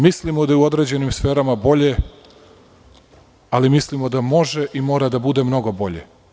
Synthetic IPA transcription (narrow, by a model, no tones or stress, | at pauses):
mislimod̪ajeuo̞d̪ɾe̞d͡ʑe̞nimsfe̞ːɾamabo̞ʎe̞ | alimislimo̞d̪amo̞ʒeʔimo̞ːɾad̪abud̪e̞mno̞ɡo̞bo̞ʎḛ